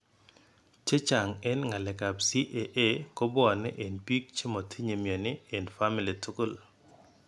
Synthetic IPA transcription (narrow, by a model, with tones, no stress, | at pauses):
t͡ʃe˦t͡ʃa˨ŋɛ˦nŋa˨lɛ˨ka˨psi˦ʔe˨ʔe˦ko˦bɔ˦˨nɪ˦ʔe˨nbi˦k̚t͡ʃe˦mɔ˨tʰi˦ɲe˨mjo˨nɪ˦e˨nfa˦mi˨li˨tʰu˦kʊ˦˨l